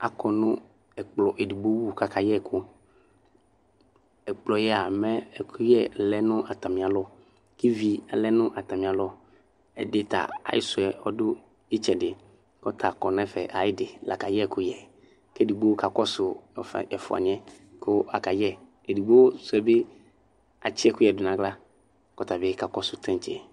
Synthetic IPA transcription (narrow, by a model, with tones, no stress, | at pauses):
a̰˨kɔ˨nʊ̃˦ | ɛ˨k͡plɔ˨ʔe˨du˨ɡ͡bo˦wu˦˨ka˨kʰa˨jɛ˦˨kʰʊ˦ | ɛ˨k͡plɔ˨jɛ˦a˨mɛ̃˦ɛ˨kʰʊ˦jɛ˨lɛ˦nʊ̃˦ʔa˨t̪a˨mĩ˨a˨lɔ˦ | ki˦vi˨a˨lɛ˦nʊ̃˦ʔa˨t̪a˨mĩ˨a˨lɔ˦ | ɛ̰˨de˦t̪a̰˨a̰˨jɪ̰˦sʊ˨ɛ˨ɔ˦dʊ˦ | ɪ˦t͡ʃɛ˨dɪ˨ | kɔ˦tʰa˨kɔ˨nɛ̃˦fɛ̰˨ʔa˨jɪ˦dɪ˨lʔa̰˨ka˨jɛ˦˨kʊ˦jɛ˨ | ke˦di˨ɡ͡bo˦ka˨kɔ˦sʊ˨fɛ˨fʊ˨a̰˨ɲ˦ɛ̃˦ | kʰʊ˦a̰˨ka˨jɛ˦ke˨du˨ɡ͡bo˦sʊ˨ɛ˨bɪ˦ | a̰˨t͡ʃɪ˦ɛ˦kʊ˦jɛ˨dʊ˨nã˨ɡla˦ | kɔ˨t̪a˨bɪ˦ka˨kɔ˦sʊ˨t̪ʰɛ̃˦t͡ʃɛ˨